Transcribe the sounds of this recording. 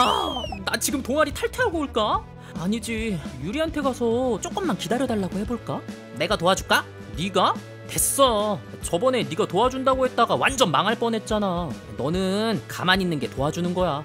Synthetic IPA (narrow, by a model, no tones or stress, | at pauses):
anat͡ɕiɡɯmtoŋaɾitʰaɭtʰeaɡoɭk͈a | aɲid͡ʑijuɾiɦantʰe̞ɡasʰʌt͡ɕ͈ok͈ɯmːankidaɾjʌdaɭːaɡohe̞boɭk͈a | ne̞ɡatoad͡ʑuɭk͈a | niɡa | te̞s͈ʌt͡ɕʌbʌne̞niɡatoad͡ʑundaɡoɦe̞t̚t͈aɡawand͡ʑʌnmaŋɦaɭp͈ʌne̞t̚t͡ɕ͈ana | nʌnɯnkamaɲinːɯnɡe̞toad͡ʑunɯnɡʌja